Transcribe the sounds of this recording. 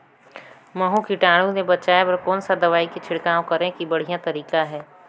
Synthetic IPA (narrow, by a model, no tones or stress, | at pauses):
mɐɦũkiʈaːɽ̃ũnebɐt͡ʃaːepɐɾkɔːnsad̪ɐʋaːikit͡ʃʰɪɽkaːõkɐɾẽkibɐɽ̤ijãt̪ɐɾiːkaɦɛː